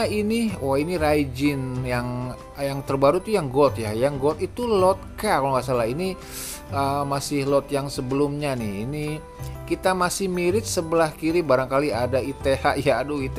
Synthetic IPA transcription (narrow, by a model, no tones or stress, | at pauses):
inioinirajd͡ʒɪnjaŋ | jaŋt̪ərbaɾut̪ujaŋɡɔt̪̚jajaŋɡɔt̪it̪ulɔt̪̚kakalɔŋasalaɦini | əmasɪhlɔt̪̚jaŋsəbəlumɲanɪhini | kit̪amasɪhmiɾɪt̪̚səbəlahkiɾibaɾaŋkaliadait̪ehaʔjaduit̪